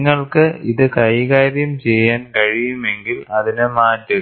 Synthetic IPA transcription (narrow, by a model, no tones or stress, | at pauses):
ŋːɐɭkɨiðɨkɐjkaːɾjɐmt͡ɕe̞jːaːnkɐɻijume̞ŋɡilɐðinɨmaːtːɐ